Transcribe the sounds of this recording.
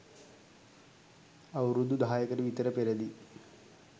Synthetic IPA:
ɐwɾud̪ud̪ʱaːjɐkɐɾuʋit̪ɐɾɐpeɾɐd̪i

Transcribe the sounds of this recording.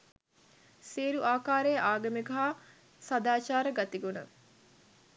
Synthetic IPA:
siːɾuʔaːkaːɾejəʔaːɡəmiɡɐɦaː | sad̪aːt͡ʃaːɾəɡat̪iɡunə

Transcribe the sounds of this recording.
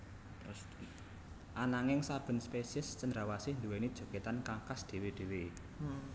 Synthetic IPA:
s | ʔanaŋɪŋsab̥ə̤nspesiəst͡ʃənd̪ɾawasɪhnd̪uwenid̥ʒ̥o̤ket̪ankaŋkasd̪̥e̤wed̪̥e̤we

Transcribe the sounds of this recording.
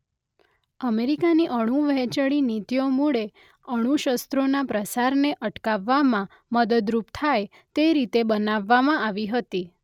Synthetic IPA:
əmeɾikaniʔəɽ̃ũʋəɦɛt͡ʃəɭinit̪ijomuɭe | əɽ̃ũʃəst̪ɾonapɾəsaɾneʔəʈkaʋːamã | məd̪əd̪ɾupt̪ʰaj | t̪eɾit̪ebənaʋːamãaʋiɦət̪i

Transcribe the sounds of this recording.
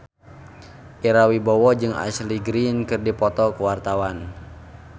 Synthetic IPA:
ʔiɾawibɔwɔd͡ʒɨŋa̰sliɡɾinkɨrdipɔt̪ɔkəwart̪awan

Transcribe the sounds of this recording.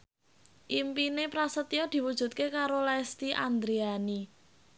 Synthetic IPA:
ʔimpinepɾasət̪iod̪̥i̤wud̥ʒ̥ṳt̪̚kekaɾolast̪iʔa̰nd̪ɾeani

